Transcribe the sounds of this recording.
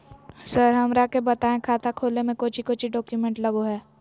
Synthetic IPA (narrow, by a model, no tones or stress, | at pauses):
səɾɦɐmɾakebɐt̪aːẽkʰaːt̪akʰoːlemẽkoːt͡ʃʰikoːt͡ʃʰiɖɔːkjumẽɳʈlɐɡoɦɛː